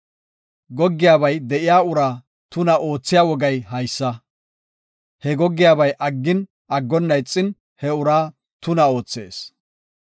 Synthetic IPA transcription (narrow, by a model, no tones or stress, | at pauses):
ɡɔɡːɪjaːbɐjd̪ɛʔɪjaːʊɾaː | t̪ʊnɐʔo̞ːt͡sːɪjaːwɔɡɐjɦɐjsːɐ | hɛɡɔɡːɪjaːbɐjʔɐɡːɪn | ʔɐɡːɔnːɐjt͡sʼːɪn | hɛʊɾaː | t̪ʊnɐo̞ːt͡sːe̞ːs